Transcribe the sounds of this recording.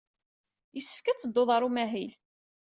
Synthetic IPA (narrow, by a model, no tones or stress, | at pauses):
jəsːə̥fkæt͡sːəd̪ːoðˤɑɾˤumæɦil